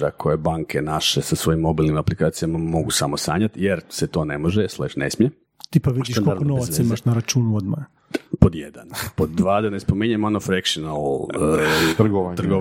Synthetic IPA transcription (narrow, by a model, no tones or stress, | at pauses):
akʰo̞jebaŋkʰenaʃesasʋo̞jimːo̞biːlˠnimaplikaːt̪sijamamo̞ɡusamosa̰ːɲat̪jeɾset̪o̞ːne̞mo̞ʒeslˠeʃnḛsmɲe | t̪ipaʋid̪iʃkoknoʋat̪simaʃnaɾat͡ʃuːnuod̪ma̰j | pod̪jed̪anpo̞d̪ːʋaːd̪enespomiɲemonofɾekʃonalˠː | t̪ɾɡot̪r̩ɡo